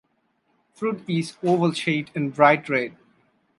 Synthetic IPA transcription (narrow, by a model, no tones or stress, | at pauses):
fɾuːʈizoːʋəlʃeɪʈɪ̃nbɾaɪʈɹeɖ̚